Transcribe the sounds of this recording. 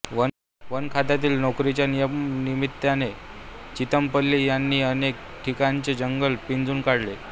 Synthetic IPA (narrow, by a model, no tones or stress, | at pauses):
ʋə | ʋənkʰat̪at̪̬iːlnɔkɾit͡ɕjanijəmnimit̪ːjane | t͡ɕit̪əmpəlːijanːiːənek̚ | ʈʰikaɲt͡ɕed͡ʑəŋɡəlpind͡zuːnkaɽle